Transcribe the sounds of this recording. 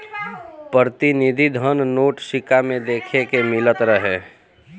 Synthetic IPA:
pəɾt̪inid̪ʱid̪ʱənnoːʈsɪkamẽd̪eːkʰekemɪlət̪ɾəɦe

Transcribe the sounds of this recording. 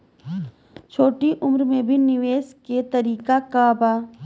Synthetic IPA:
t͡ʃʰoːʈiʔʊmɾmẽbʱinɪʋeːsket̪əɾiːkakabaː

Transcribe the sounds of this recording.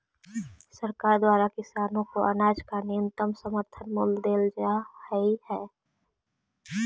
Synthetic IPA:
səɾkaːɾd̪waːɾakɪsaːnõkoʔənaːd͡ʒkanɪjə̃nt̪əmsəməɾt̪ʰənmʊld̪eːld͡ʒahəihɛː

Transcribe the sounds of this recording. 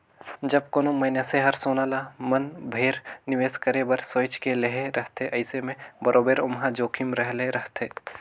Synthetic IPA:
d͡ʒɐb̚koːnomɐ̃jneseɦɐɾsoːnaːlamɐnbʱeːɾnɪʋeːskəɾebɐɾsoːɪt͡ʃkeleɦeɾɐɦt̪ʰeʔɐɪsemẽbɐɾʔoːbeɾʊmɦãd͡ʒoːkʰimɾəɦleɾɐɦt̪ʰeː

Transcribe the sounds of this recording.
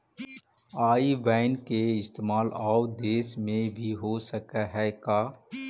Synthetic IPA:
aːiʋaːɪnkeɪst̪eːmaːlaːwd̪eːsmẽbʱiɦosəkaɦɛkaː

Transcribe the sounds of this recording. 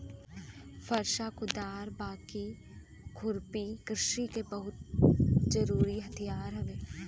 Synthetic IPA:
fɐɾʃakʊd̪aːɾbaːki | kʰʊɾpikɾɪʃikebɐɦʊt̪̚d͡ʒɐɾuːɾiɦɐt̪ʰijaːɾɦɛʋeː

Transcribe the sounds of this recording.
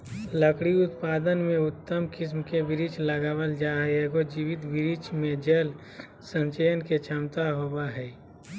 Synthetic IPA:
ləkɽiʊt̪paːd̪ənmẽʊt̪ːəmkɪs̬mkebɪɾit͡ʃləɡaːwəld͡ʒaːɦeɡod͡ʒiʋɪt̪bɪɾit͡ʃʰmẽd͡ʒəl | sə̃ɲt͡ʃəjənket͡ʃʰəmt̪aɦobaɦɛː

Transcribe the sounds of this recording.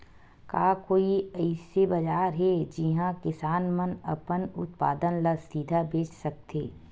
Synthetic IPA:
kaːkoːiɐɪsebɐd͡ʒaːɾɦɛd͡ʒiɦãkɪsaːnmənɐ̰pənʊ̰t̪pa̰ːd̪ənləsiːd̪ʱabeːt͡ʃsɐk̚t̪eː

